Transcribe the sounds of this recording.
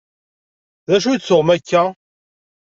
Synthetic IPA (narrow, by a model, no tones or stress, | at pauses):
ðæʃ̬ujt͡sːʊʁmækːæ